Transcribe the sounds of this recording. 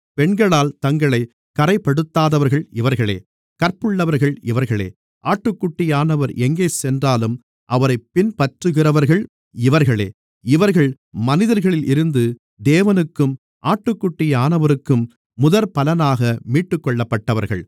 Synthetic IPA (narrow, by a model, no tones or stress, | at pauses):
pɛɳɡɐɭaːlt̪ɐŋɡɐɭɐɪ | kɐɾɐɪpɐɽɯt̪ːaːðɐʋɐɾɣɐɭɪʋɐɾɣɐɭḛː | kɐɾpɯɭːɐʋɐɾɣɐɭɪʋɐɾɣɐɭḛː | ʔaːʈːɯkːʊʈːɪjaːnɐʋɐɾʔɛŋɡeːsɛndraːlɯm | ʔɐʋɐɾɐɪpːɪnpɐʈrɯɣɪrɐʋɐɾɣɐɭ | ɪʋɐɾɣɐɭḛː | ɪʋɐɾɣɐɭ | mɐnɪðɐɾɣɐɭɪlʔɪɾɯnd̪ɯ | d̪eːʋɐnɯkːɯm | ʔaːʈːɯkːʊʈːɪjaːnɐʋɐɾɯkːɯmː | ʊðɐɾpɐlɐnaːɣɐmiːʈːɯkːɔɭːɐpːɐʈːɐʋɐɾɣɐ̰ɭ